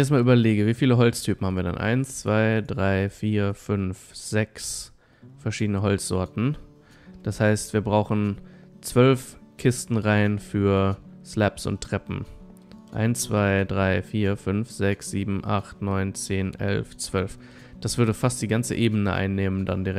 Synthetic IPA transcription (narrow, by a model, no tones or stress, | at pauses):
ɛnɪçɛɐstmalʔyːbɐleːɡəviːfiːləɦɔlt͡stʰyːpm̩haːm̩viːɐda̰nʔa̰ɪnst͡sv̥aɪdʁaɪfiːɐfʏnfz̥ɛks | fɛɐʃiːdənəɦɔlt͡sz̥ɔɐtn̩ | d̥ashaɪstv̥iːɐbʁaʊxn̩ | t͡sv̥œlfkʰɪstn̩ʁaɪnfyːɐslɛpsʊ̰ntʁ̥ɛpm̩ | ʔa̰ɪnt͡sv̥aɪdʁaɪfiːɐfʏnfz̥ɛksz̥iːbm̩ʔa̰χtnɔʏnt͡seːnʔɛ̰lft͡sv̥œlf | d̥asv̥ʏɐdəfastd̥iːɡant͡sə̰ʔeːbənəʔa̰ɪnːeːmənda̰ndiʁɛ